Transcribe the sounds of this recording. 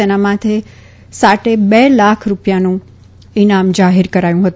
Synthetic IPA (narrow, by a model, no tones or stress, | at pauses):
enamãt̪ʰe | saʈebelakʰɾupjanũ | inamd͡ʒaɦiɾkəɾajũɦət̪